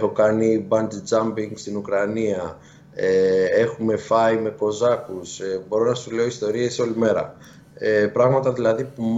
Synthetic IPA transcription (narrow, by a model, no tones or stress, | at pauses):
xo̞kɐnibɐnd̪d͡zɐmbiŋɡst̪inukɾɐniɐ | ee̞xume̞fɐime̞ko̞zɐkusbo̞ɾo̞nɐsule̞oist̪o̞ɾie̞so̞lime̞ɾɐ̰ | pɾɐɣmɐt̪ɐðilɐðipu